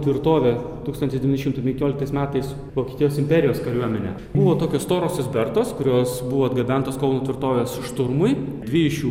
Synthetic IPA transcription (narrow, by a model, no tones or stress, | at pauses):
t̪ʲʋʲɪɾt̪oːʋʲe | t̪uːkst̪ɐnt̪ʲɪsd̪ʲɛʋʲɪnʲʃɪmt̪ʊpʲɛŋʲkʲoːlʲɪk̚t̪ɐɪsmʲæːt̪ɐɪs | ʋoːkʲiːt̪ʲijoːsɪmʲpʲɛɾʲɪjoːskɐɾʲuɔmʲɛnʲḛ | bʊʋoːt̪oːkʲoːst̪oːɾoːsʲɪsʲbʲɛɾt̪oːskʊɾʲoːsbʊʋɔɐd̪ɡɐbʲɛnt̪oːskɐʊnoːt̪ʲʋʲɪɾt̪oːʋʲeːsʃt̪ʊɾmʊɪ | d̪ʲʋʲɪːjɪʃjuː